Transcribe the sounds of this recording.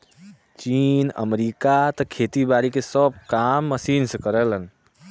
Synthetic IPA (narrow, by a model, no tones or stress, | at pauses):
t͡ʃiːnə̰mɾiːkat̪ɔkʰeːt̪ibaːɾikesəb̚kaːmːəsiːnsekəɾələn